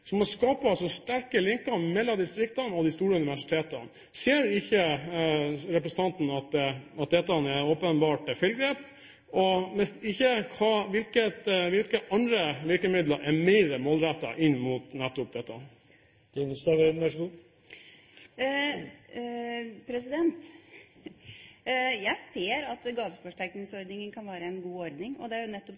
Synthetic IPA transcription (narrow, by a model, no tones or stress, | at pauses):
sɔmɔskɑːpəsɔst̪æɾkəlɪŋkəmɛlːɑd̪ɪst̪ɾɪkt̪ɑnɔd̪ɪst̪uːɾəʉnɪʋæʂɪ̥t̪ʰeːt̪ən | seːɾɪçə | ɾɛpɾɛsən̩t̪ʰɑnt̪n̩ɑt̪ɑt̪̚d̪ɛt̪ːɑnɛoːpənbɑːʈfʏlɡɾeːp | ɔʋɛsɪçːəkʰɑːʋɪlkət̪ʋɪlkəʔɑnd̪ɾəʋɪɾkəmɪd̪ləʔɛɾmæɪɾəmoːlɾæt̪ːɑ̰ʔɪnːmuːt̪nɛt̪ːʊp̚d̪ɛt̪ːɑ | d̪̥ʰɪnsɛʋɛʋæʂəɡuː | pʰɾɛsɪd̪ɛnt̪ | jæɪseːɾɑt̪ɡɑːʋəɾfɔʂʈæknɪŋsɔɾd̪nɪŋənkʰɑnʋæːɾəɛnɡuːɔɾd̪nɪŋɔd̪ɛæɾjʊnɛt̪ːɔp